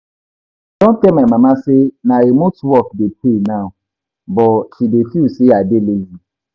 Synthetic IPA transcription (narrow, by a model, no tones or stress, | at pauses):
tɔ̃kɛmãmãmãsenãemʊ̃tʰɔkdepʰenãm | bɔʃidefiuseadelezi